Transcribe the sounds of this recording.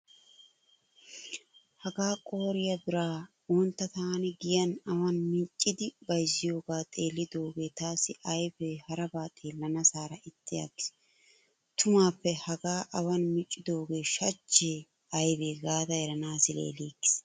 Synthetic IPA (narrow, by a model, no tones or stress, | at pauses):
hɐɡaːkʼo̞ːɾɪjɐd̪ʊɾaː | ɔnt̪ːɐt̪aːnɪɡɪjɐnɐwɐnmɪt͡ʃʼːɪd̪ɪbɐjzɪjo̞ːɡaːt̪ʼeːlːɪd̪o̞ːɡe̞ːt̪aːsɪʔɐjbeːhɐɾɐbaːt̪ʼe̞ːlːɐnɐsaːɾɐʔɪt̪ːɪja̰ɡɪ̥s | t̪ʰʊmaːpːɛhɐɡaːʔɐwɐnmɪt͡ʃʼːɪd̪o̞ːɡe̞ːʃɐt͡ʃːeː | ɐjbeːɡaːd̪ɐjɛɾɐnaːsɪlḛːleːkːɪ̥s